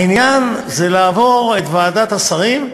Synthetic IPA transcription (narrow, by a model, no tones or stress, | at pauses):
injanzelaːvo̞ʁet̪vaːd̪at̪asaʁim